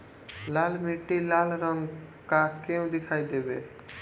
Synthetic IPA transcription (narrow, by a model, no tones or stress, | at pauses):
lalmiʈːilalɾɔŋkakew̃d̪ekʰajd̪ebe